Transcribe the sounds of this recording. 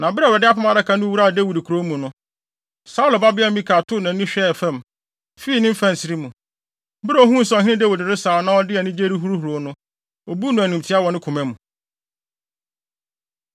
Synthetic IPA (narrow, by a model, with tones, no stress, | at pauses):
nã˨bɪ˦ɾɛ˨ɾɛ˨dɪ˦a˦pʊ˦mã˦ɾa˦kʰa˨nʊ̃˦wu˦ɾa˦˨dæ˦˨wi˨dkʰu˨ɾo˦mũ˨nʊ̃˦ | sa˦u˦la˨ba˦bɪ˦a˦mĩ˦kʰaː˨tʰʊ˦˨nã˨˦nĩ˦ɕᶣɛ˦˨fɛ̃˦˨m | fi˦i˨nɪ̃˦m̩˦fɛ̃˦˨n˨sɪ˨ɾi˦mũ˨˦ | bɪ˦ɾɛ˨˦ɔ˨˦ɦũ˦n̩˨sɔ˨ɦɪ̃˦ɪ̃˦de˦wi˨dɪ˨ɾɪ˦saː˨ɔ˨nã˦ɔ˦dɪ˦ɛ˨nɪ̃˦d͡ʑe˦ɾi˦ɦu˦ɾu˦hu˨ɾo˨˦nʊ̃˦ | o˨bu˦nʊ̃˦æ˨nũ˨m˨tʰɪ˨˦a˦wɔ˨nɪ̃˦kʰʊ˨mɛ̃˦mũ˨